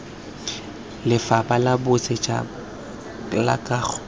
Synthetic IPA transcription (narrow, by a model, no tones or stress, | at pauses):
lɪfabalabʊt͡sʼet͡ʃʼa̰ | la̰kʼaːɣʰ